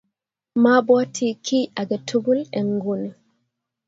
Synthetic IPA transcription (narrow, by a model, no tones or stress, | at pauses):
mabɔtʰikʰiʔaɡɛtuɡulɛŋɡuni